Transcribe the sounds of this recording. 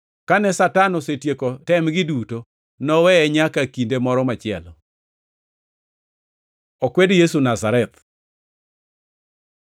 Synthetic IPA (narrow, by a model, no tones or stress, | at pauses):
kanɛsatanɔsetjekotɛmɡɪduto | nɔwɛɛɲakakindemɔɾɔmat͡ʃɪɛ̰lɔ | ɔkwedjesunazaɾɛt̪̚